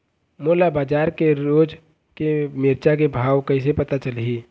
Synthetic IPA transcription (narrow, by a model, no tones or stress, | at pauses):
moːlabaːd͡ʒaːɾkeɾoːd͡ʒ | kemɪːɾt͡ʃak̬ebʱaːʋkɐĩs̬epɐt̪at͡ʃɐlɦiː